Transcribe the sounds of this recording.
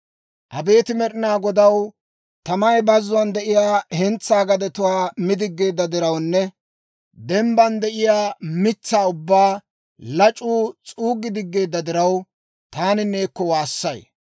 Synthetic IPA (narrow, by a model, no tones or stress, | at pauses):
ʔɐbe̞ːt̪ɪmɛɾɪnaːɡɔd̪ɐw | t̪ɐmɐjbɐzːʊɐnd̪ɛʔɪjaːhɛnt͡sːaːɡɐd̪ɛt̪ʊwaːmɪd̪ɪɡːe̞ːd̪ːɐd̪ɪɾɐwnːɛ | d̪ɛmbɐnd̪ɛʔɪjaːmɪt͡sːaːʊbːaː | lɐt͡ʃʼːuːt͡sʼuːɡːɪd̪ɪɡːe̞ːd̪ːɐd̪ɪɾɐw | t̪aːnɪne̞ːkːɔwaːsːɐj